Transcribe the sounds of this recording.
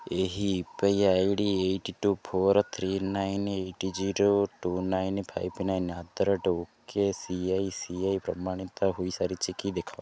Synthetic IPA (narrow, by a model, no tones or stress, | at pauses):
eɦiːpəjajɖieʈiʈupʰoɾt̪ʰɾinajneʈid͡ʒiɾoʈunajnpʰajpnajnad̪ɾɔʈukesiajsiajpɾɔmaɽ̃it̪aɦuisaɾit͡ʃʰikid̪ekʰa